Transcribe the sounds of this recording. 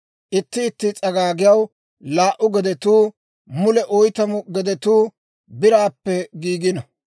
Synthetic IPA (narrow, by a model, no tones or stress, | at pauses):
ʔɪt̪ːɪːt̪ːɪt͡sʼɐɡaːɡɪjɐw | laːʔʊɡɛd̪ɛt̪uː | mʊlɛʔɔjt̪ɐmʊɡɛd̪ɛt̪uː | bɪɾaːpːɛɡiːɡɪnɐ